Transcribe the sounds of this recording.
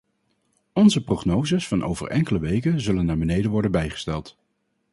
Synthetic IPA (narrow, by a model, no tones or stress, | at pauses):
ɔnzəproχnowzasfɑnʔo̰wvə̰rʔɛŋkələʋejkənzɵlənːaːɹbənejdənʋɔɹdənbɛjχə̥stɛlˠt